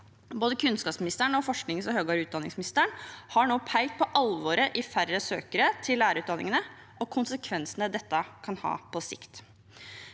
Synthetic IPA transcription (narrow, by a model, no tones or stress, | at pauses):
boːd̪əkʰʉnskɑːpsmɪnɪst̪əɳəɔfɔʂknɪŋəsɔhøːɡɑːɾʉːt̪d̪ɑnɪŋsmɪnɪst̪əɳhɑɳoːpʰæɪlt̪̚pʰɔʔɑlʋoːɾəʔɪfæɾəsø̰ːkəɾət̪ʰɪlːæːɾəɾʉːt̪̚d̪ɑnʔɪ̰ŋənə | ʔɔkʰʊnsəkʰʋɛnsənəd̪ɛt̪ːəkʰɑnhɑ̰ːpʰɔsɪ̰kt̪